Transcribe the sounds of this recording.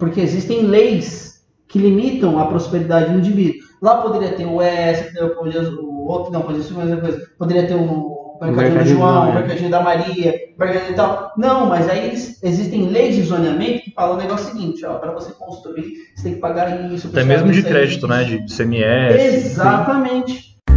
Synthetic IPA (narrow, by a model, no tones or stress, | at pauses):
poɾkeezist̪ẽj̃lejs | kɪlimit̪ɐ̃w̃ɐpɾospeɾid̪ad͡ʒɪd̪uĩnd͡ʒivid̪ʊ | lapod̪eɾiɐt̪eɾʊɛsɪpod̪poɾiɐʊot̪nɐ̃w̃pod̪eɾiɐsemozɐk̬ojzɐpod̪eɾiɐt̪eɾʊpeɾkad̪ɾd̪ɪʒuɐ̃w̃peɾkaɾd͡ʒoɾd̪ɐmaɾiɐbeɾɡãd̪ĩt̪awnɐ̃w̃mɐzaielɪsezist̪ẽj̃lejzd͡ʒizoniɐmẽnt̪ʊ̥kɪfazɐ̃ʊ̃neɡɔsjʊsiɡĩnt͡ʃɪɔpɾɐvosekõst̪ɾuiɾse̥t̪ẽj̃kɪpaɡaɾisʊpɾɛmezmʊd͡ʒɪkɾɛd͡ʒit̪ʊnɛd͡ʒɪsemiɛezat̪ɐmẽnt͡ʃɪ̥